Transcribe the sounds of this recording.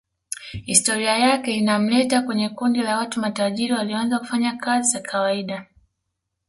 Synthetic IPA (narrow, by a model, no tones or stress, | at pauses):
histɔɾiajakɛinam̩lɛtakwɛɲɛkundilawatumataʄiɾiwalianzaku̥faɲakazizakʰawaiɗa